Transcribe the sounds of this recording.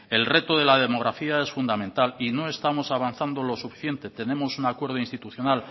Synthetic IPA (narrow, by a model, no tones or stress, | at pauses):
e̞lre̞t̪oðe̞lað̞e̞mo̞ɣ̞ɾafiae̞sfund̪amẽnt̪alino̞e̞st̪amo̞saβ̞anθand̪o̞lo̞sufi̥θje̞nt̪e̞t̪e̞nẽ̞mo̞sunakwe̞ɾð̞oinst̪it̪uθjo̞nal